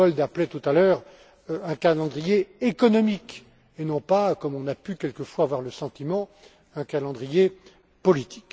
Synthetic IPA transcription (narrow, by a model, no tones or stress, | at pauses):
ɔld̪aplɛt̪ut̪alœːʁ | ɛ̃kalɑ̃d̪ʁijeekɔnɔmik | enɔ̃pakɔmɔ̃napykʲɛlkəfwaːvwaʁləsɑ̃t̪imɑ̃ | ɛ̃kalɑ̃d̪ʁije | pɔlit̪ʰi̥k